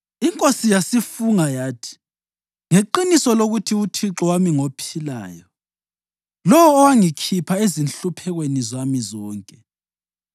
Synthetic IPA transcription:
iŋkʼosijasifuŋajaːtʰi̥ | ŋeǃinisɔloɣutʰiutʰiǁɔwamiŋopʰila̰ːjɔ | lɔwɔːwaŋikʰipʰaezinɬupʰɛɣwenizamizɔːŋkʼɛ

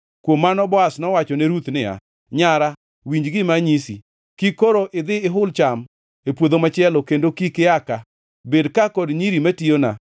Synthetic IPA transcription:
kwomːanɔbɔasnɔwat͡ʃɔnɛɾut̪nɪa̰ | ɲaɾa | wiɲd͡ʒɡɪmaɲisi | kikoɾoʔɪd̪ɪɪɦʊlt͡ʃam | epwod̪omat͡ʃɪɛlɔkendokikɪaka | bedkakɔdɲiɾimationa̰

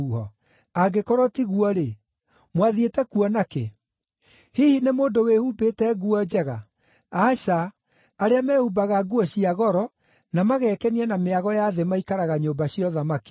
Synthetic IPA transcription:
uhɔ̰ | aɡekɔɾɔtiɣuɔɾe | mwaðietɛkuɔnakḛ | hihinemoːndowehuːbeːtɛɣuɔd͡ʑɛɣa | aɕaː | ɾeamɛhubaɣaɡuɔɕiaɣɔɾɔ | namaɣɛːkɛniɛnameaɣɔjaðemaikaɾaɣaɲoːmbaɕiɔðamaki̥

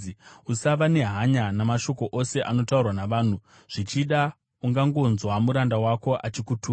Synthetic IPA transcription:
usaʋane̞ɦaɲanamaʃo̞ko̞ʔose̞ʔano̞taurwanaʋaːn̤u | ʐ̥it͡ʃiɗa | uŋɡaŋɡo̞nzwamuɾandawako̞ʔat͡ʃikutʰuː

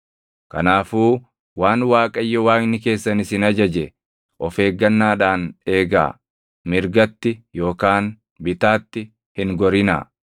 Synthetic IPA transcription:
kɐ̰naːfuː | waːnwaːkʼɐjːɔwaːknɪke̞ːsːɐnɪsɪnɐd͡ʒɐd͡ʒɛ | ʔɔfe̞ːɡːɐnːaːᶑaːne̞ːɡa̰ː | mɪɾɡɐt̪ːɪjo̞ːkaːn | bɪt̪aːt̪ːɪ | hɪŋɡɔɾɪna̰ː

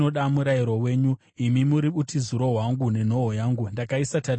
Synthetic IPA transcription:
o̞ɗamuɾaiɾo̞we̞ːɲu | imimuɾiɓutizuɾo̞ɦwaŋɡune̞n̤o̞ɦojaːŋɡundakaisatar

